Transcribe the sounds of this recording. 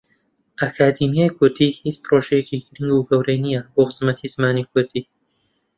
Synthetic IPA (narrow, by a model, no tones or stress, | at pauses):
ʔakʰaːd̪imjaːjkʊɾd̪iːhit͡sproʃɛjeciːɡɾɨŋɡuɡɐwɾejnijɐboxɨz̥mɐt̪ʰiz̥ɨmaːnik̚ʊɾd̪iː